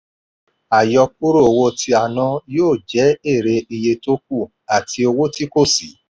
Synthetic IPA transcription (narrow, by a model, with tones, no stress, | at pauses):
a˨jɔ˧k̚u˦ɾo˦o˨wo˧tʰi˧a˨nã˧joː˦˨d͡ʒɛ˨˦e˦˨ɾe˧i˧je˧to˦k̚u˦˨ | a˨ti˧o˧wo˦ti˦ko˦˨si˨˦